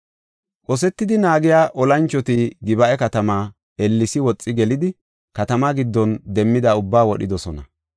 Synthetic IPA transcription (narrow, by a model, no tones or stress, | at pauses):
kʼɔs̬ɛt̪ːɪd̪ɪnaːɡɪjaːʔɔlɐnt͡ʃːɔt̪iɡɪbɐʔɛkɐt̪ɐmaː | ɛlːɪsɪwɔt͡sʼːɪɡɛlɪd̪ɪ | kɐt̪ɐmaɡɪd̪ːɔnd̪ɛmːɪd̪ɐʊbːaːwɔɗɪd̪ɔsɔnɐ